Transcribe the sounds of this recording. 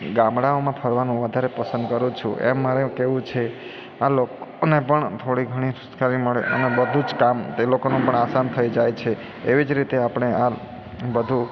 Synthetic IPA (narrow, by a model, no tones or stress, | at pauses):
ɡãmɽaomãpʰəɾʋanũʋəd̪ʱaɾepəsə̃nd̪̚kəɾũt͡ʃʰuʔḛmːaɾekeʋũt͡ʃʰe | alokonepəɳt̪ʰoɽiɡʱəɽ̃isʊskaɾiməɭḛə̰nebəd̪ʱud͡ʒkamt̪elokonũpəɳasant̪ʰəid͡ʒajt͡ʃʰe | eʋid͡ʒɾit̪eapɳ̃ea | bəd̪ʱu